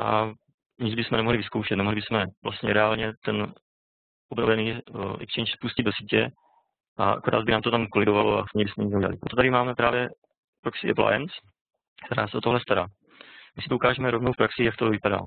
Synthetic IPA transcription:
ʔa̰ | ɲɪd͡zbɪsmɛnɛmoɦlɪvɪskowʃɛt̪nɛmoɦlɪbɪsmɛvlast̪ɲɛɾɛaːlɲɛt̪ɛn | ʔobnovɛniːʔɛ̰kt͡ʃɛnʃspuscɪdosiːcɛ | ʔaʔa̰koɾa̰ːzbɪnaːmt̪ot̪amkolɪɡovaloasɲibɪsmɛɲɛt͡suɟɛla̰lɪpɾot̪ot̪aɾɪmaːmɛpɾa̰ːvjɛ | pɾoksɪʔɛ̰pla̰jɛ̰ns | kt̪ɛɾaːsɛʔot̪oɦlɛst̪aɾaː | mɪsɪ̥t̪oukaːʒɛmɛɾovnowfpɾaksɪjak̚t̪ovɪpada̰ː

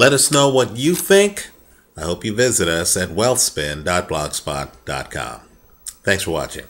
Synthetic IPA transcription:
lɛɾʌsnoʊwʌt͡ʃɨθɪ̃ŋk | aɪhoʊpjɨvɪzɨɾʌsɨt̚wɛlˠθspɪ̃ndɑt̚b̥lɑɡ̥spɑ̰t̚d̥ɑ̰t̚kʰɑ̰̃m | θæ̃ŋksfə˞wɑ̰t͡ʃɪ̰̃ŋ

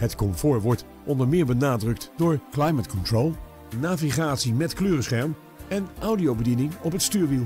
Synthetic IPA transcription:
ɦətkɔmfʊːɹʋɔɹt | ʔɔndəɹmɪːɹbənaːdrɵk̚tdʊːɹklajmətkɔntɹowlˠ | naːviχaːtsimɛtkløːrəsχɛɹm | ɛnʔɔwdiowbədinɪŋɔpɦətstyːɹʋilˠ

